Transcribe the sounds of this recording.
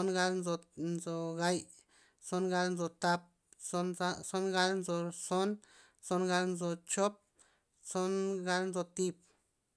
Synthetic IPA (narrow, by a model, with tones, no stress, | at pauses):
o˦nɡa˦lnd͡zo˧nzo˧˨ɡa˧j | t͡so˦nɡa˦lnd͡zo˨t̪a˧p̚ | so˦nɡa˧˦lnd͡zo˧so˦n | t͡so˦nɡa˧lnd͡zo˨t͡ʃo˦p̚ | t͡so˦nɡa˦lnd͡zo˧t̪i˧p̚